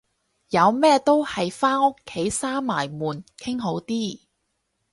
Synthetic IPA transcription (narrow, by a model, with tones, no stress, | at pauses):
jɐ˨˧wmɛː˥t̪o˥whɐ˨jfaː˥nʊ˥kʰːe˨˥jsaː˥ma̰ː˨˩jmuː˨˩nkʰɪ˥ŋɦo˨˥wt̪iː˥˩